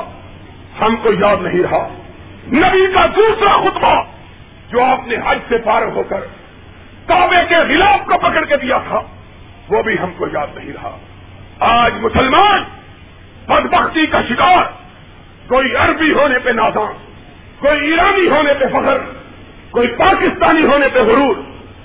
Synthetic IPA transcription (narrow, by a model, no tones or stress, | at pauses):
hɐmkoijaːd̪nɐɦĩɾɐɦaː | nɐbikad̪uːsɾaxʊt̪ba | d͡ʒoːaːpneɦɐd͡ʒsepaːɾɦoːkəɾ | t̪aːbekeɣɪlaːbkopɐkəɽked̪ijat̪ʰa | ʋoːbʱiɦɐmkojaːd̪nɐɦĩɾɐɦa̰ː | aːd͡ʒmʊsəlmaːn | bɐd̪bəxt̪ikaʃɪkaːɾ | koːiɐɾbiɦoːnepenaːzãː | koːiiːɾaːniɦoːnepefɐkəɾ | koːipaːkɪst̪aːniɦoːnepeɣʊɾuːɾ